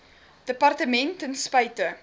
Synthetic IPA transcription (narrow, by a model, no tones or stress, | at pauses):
d̥əpɐrtəmɛntənspɐjtə